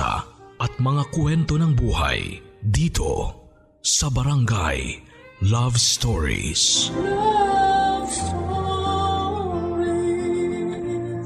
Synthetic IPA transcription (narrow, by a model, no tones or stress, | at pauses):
ɐ̰ʔɐt̪̚mɐŋakwɛnt̪o̞nɐŋbuːha̰jd̪iːt̪ʰo̞̰ | sɐbɐɾɐŋɡa̰j | lavst̪oɹḭs